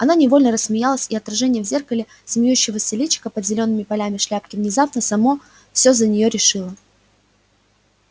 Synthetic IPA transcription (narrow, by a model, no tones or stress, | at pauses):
ɐnanʲɪvo̞lʲnəɾəssmʲɪjalˠəsʲɪɐt̪rɐʐɛnʲɪjəvzʲe̞rkəlʲɪ | sʲmʲɪjuɕːɪvəsʲɪlʲit͡ɕːɪ̥kəpəd̪zʲɪlʲo̞nːɨmʲɪpɐlʲamʲɪʂlʲap̚kʲɪvnʲɪzapnəsɐmo̞ | fsʲozənʲɪjo̞ɾʲɪʂɨlˠə